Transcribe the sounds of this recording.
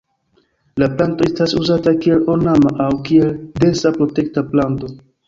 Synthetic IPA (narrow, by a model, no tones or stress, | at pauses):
laplanto̞e̞stasuzatakie̞lo̞namaʔawkie̞lde̞sapɾo̞te̞k̚taplanto̞